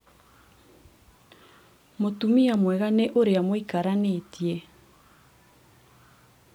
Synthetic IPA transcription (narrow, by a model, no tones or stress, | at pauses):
motumiamwɛɣaneʔoɾeamoikaɾanetjɛ